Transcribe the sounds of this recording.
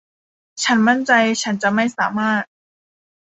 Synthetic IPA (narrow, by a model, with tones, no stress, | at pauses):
t͡ɕʰa˦˥nma˥˩nt͡ɕa˧jt͡ɕʰa˦˥nt͡ɕa˨˩ma˥˩jsaː˩˦maː˥˩t̪̚